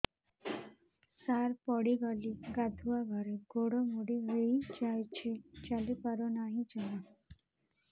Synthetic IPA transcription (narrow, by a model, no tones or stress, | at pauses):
saɾpɔɽiɡaliɡad̪ʱuaɡʱaɾeɡoɽɔmuɽiɾeid͡ʒajt͡ʃʰit͡ʃalipaɾɔnaɦĩd͡ʒana